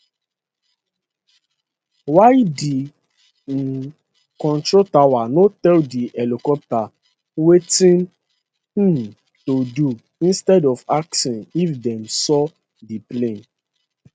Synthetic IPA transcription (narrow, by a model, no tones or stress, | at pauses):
wajdi | kɔ̃ntɾotawanotɛldiʔɛlikɔp̚ta | wetĩn̩ | todu | ĩnstɛdɔfaksĩnifdɛ̃msɔ | diplẽn